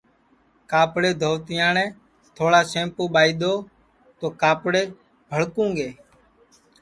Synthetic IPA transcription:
kaːpɽeːd̪ʱoːʋt̪ɪjãːnɛ̃ː | t̪ʰoːɽaːsẽːmpoːɓaːiːɗ̪oː | t̪oːkaːpɽeː | bʱəɭkũːŋɡeː

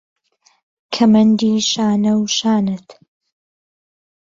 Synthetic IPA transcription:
kʰɐmɐnd̪iːʃaːnɐwʃaːnɨt̪

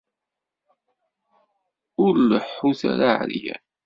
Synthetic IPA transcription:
ʊɾləħːuθa̰ɾaʕɾijæ̰

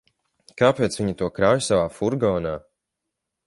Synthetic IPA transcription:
kaːpeːt̪svʲiɲat̪uɔkɾaːjsavaːfuɾɡɔːnaː

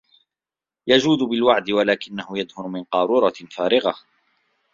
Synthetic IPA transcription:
jad͡ʒuːd̪ʊbɪlwaʕd̪ɪwalaːkɪnːahʊjad̪hʊɾʊmɪnqɑːɾuːɾˤɑfaːɾɪɣa

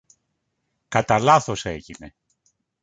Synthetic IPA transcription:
kɐt̪ɐlɐθo̞se̞ʝine̞

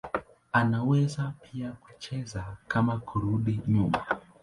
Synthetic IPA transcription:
anawɛzapʰijaku̥t͡ʃɛzakamakʰuɾuɗiɲuma

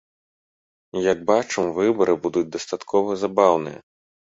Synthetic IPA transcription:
jaɡ̚bat͡ʂɨmvɨbɐɾɨbud̪ud͡zʲd̪ɐst̪at̪kʰɔvɐzabawnɨjɐ̰

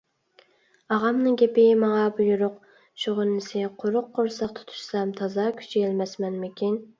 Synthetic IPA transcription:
ɑʁɑmnɨŋɡʲepɪmɑŋɑbujuɾʊq̚ | ʃʰoʁʊnːɪsɪqʰoɾʊqːoɾsɑq̚t̪ʰʊ̥t̪ʰu̥ʃsɑmt̪ʰɑzɑkʲʰy̥t͡ʃʰielmɛsmɛnmɪkʲʰin

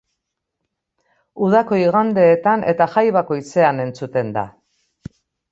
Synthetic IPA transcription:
uð̞ako̞iɣ̞and̪e̞ːt̪ane̞̰t̪axajβ̞ako̞it͡se̞ane̞nt͡sut̪e̞nd̪a̰

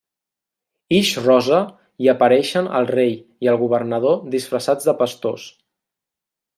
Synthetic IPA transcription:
iʃrɔzə | iəpəɾɛʃənə̰lˠrejiəlˠɣuβəɾnəð̞oðisfɾəsad͡zðəpəst̪o̰s

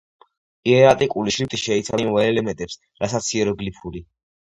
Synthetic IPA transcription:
iɛɾat̪ʼikʼuliʃɾit̪ʼiʃɛit̪sʰamvaɛlɛmɛnt̪ʼɛps | ɾasat̪sʰiɛɾɔɡlipʰuli

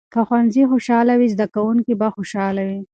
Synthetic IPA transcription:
kaxwanzixoʃɑlawizd̪akawuŋkibaxoʃɑlawi

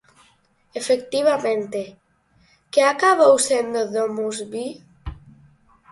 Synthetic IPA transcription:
efek̚t̪iβamẽnt̪e | keakaβowsend̪oðomuzβi

